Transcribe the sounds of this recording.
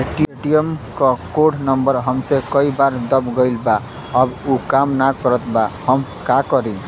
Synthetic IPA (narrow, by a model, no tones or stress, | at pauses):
eʈieʈiemkɔkoɽnʌmbəɾɦʌmsekʌibaɾd̪ʌbɡəjlba | ʌbukamnakkʌɾət̪bahʌmkakʌɾĩ